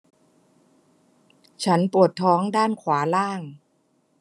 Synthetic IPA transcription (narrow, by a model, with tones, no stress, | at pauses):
t͡ɕʰa˦˥npu˨˩ət̪ʰːɔː˦˥ŋdaː˥˩nkʰwaː˩˦laː˥˩ŋ